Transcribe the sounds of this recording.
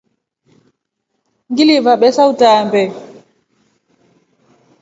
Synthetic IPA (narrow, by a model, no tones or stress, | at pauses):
ŋɡilivaɓɛsautaːmbɛ